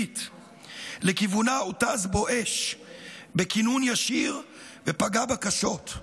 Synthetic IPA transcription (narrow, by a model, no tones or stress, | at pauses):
it̪ | lekivunaotazbo̞ʔeʃ | bekinunjaʃiʁ | vepaɡabakaʃo̞t̪